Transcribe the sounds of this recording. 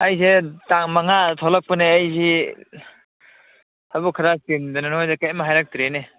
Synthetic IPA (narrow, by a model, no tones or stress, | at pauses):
ajzetaŋmaŋatʰɔlak̚pɯneajzi | habukʰaɾasindɯnanojzekajmaɦajɾak̚tiɾene